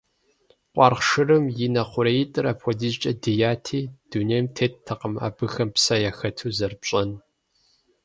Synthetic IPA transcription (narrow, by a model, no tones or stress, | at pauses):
qʷʼɑːrχʂɨrɨmjɪnɐχʷʊɾɐjɪtʼɨrɐpʰʷɔdizt͡ʃʼɐdɨjaːtʰiːd̥unejmtʰeːttʰːɐqəma̰ːbɨxɐmpsɐjaxɐtʰuːzɐrpɕʼɐn